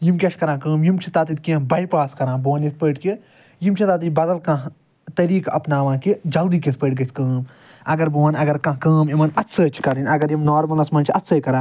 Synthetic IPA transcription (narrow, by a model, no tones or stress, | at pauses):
jimkʲɐʃkɐɾãːkəːmjimt͡ʃʰit̪aːt̪it̪kĩbɐjpaːskɐɾãːboːnjispəːʈki | jimt͡ʃʰit̪aːt̪ibɐd̪ɐlkãɦ | t̪ɐɾiːkɐpnaːʋãːkid͡ʒɐld̪iːkispəːʈ̚ɡɐsʲkɐːm | ɐɡɐɾbuːɐnɐɡɐɾkãːɦkɐːmimɐnɐt̪sʰəːt͡ʃʰi̥kɐɾinʲɐɡɐɾjimnaːɾmɐlɐsmɐnt͡ʃʰiɐt̪sɐːkɐɾãː